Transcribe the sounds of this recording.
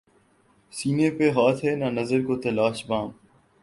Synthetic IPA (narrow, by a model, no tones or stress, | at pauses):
siːneːpeːɦaːt̪ʰɦeːnãːnəzəɾkoːt̪əlaːʃbãːm